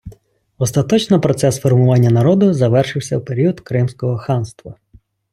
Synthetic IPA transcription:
ɔst̪ɐt̪ɔt͡ʃnɔpɾɔt̪sɛsfɔrmʊʋɑnʲːɐnɐɾɔd̪ʊzɐʋɛrʃɪwsʲɐwpeɾʲiʊd̪kɾɪmsʲkɔɦɔxɑnst̪ʋɐ

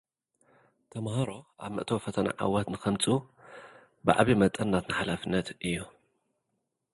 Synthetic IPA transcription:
t̪ʰɐmhɐɾo̞ʔa̰βmɨ̰ʔt̪ʰɐwfɐt̪ʰɐna̰ʕa̰wɐt̪nɨxɐmt͡sʼu | bɨʕaβimɐt̪ʼɐnːat̪nɨħalafɨnːɐt̪ʔɨjːu

